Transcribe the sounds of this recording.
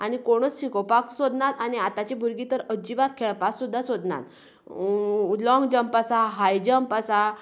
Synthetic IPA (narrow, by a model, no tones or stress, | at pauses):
aɽ̃ikoɽ̃ət͡sɕikopaksod̪nat̪añiat̪at͡ɕibʱuɾɡit̪əɾəd͡ʑiʋat̪kʰeɭpaksud̪ʱːasod̪na̰t̪ | lɔ̃ŋɡd͡ʑəmpəsaɦajd͡ʑəmpəsa